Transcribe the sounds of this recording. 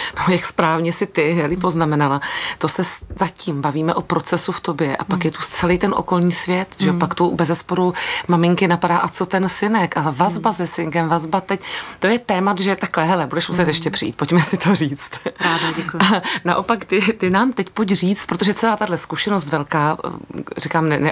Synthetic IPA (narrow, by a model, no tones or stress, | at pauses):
nojakspɾaːvɲɛsɪt̪ɪɦɛlɪpo̞znamɛnalat̪o̞sɛszaciːmbaviːmɛʔopɾo̞t͡sɛsuft̪o̞bjɛʔa̰pakjɛt̪ust͡sɛlijt̪ɛnʔo̞̰ko̞lɲiːsvjɛt̪ʒɛopakt̪ubɛzɛspo̞ɾumamɪŋkɪnapadaːʔat͡so̞t̪ɛnsɪnɛkʔavazbasɛsɪŋkɛmvazbat̪ɛct̪o̞jɛt̪ɛːmat̪ʒɛt̪aklɛɦɛlɛbudɛʃmus̬ɛt̪jɛʃcɛpr̥ɪjḭːt̪̚po̞cmɛsɪt̪oriːt͡st̪aɛana̰ʔo̞pakt̪ɪt̪ɪnaːmt̪ɛcpocriːt͡st̪pɾot̪o̞ʒɛt͡sɛlaːt̪adlɛskuʃɛnos̬t̪vɛlkaːrɪkaːmnɛnɛ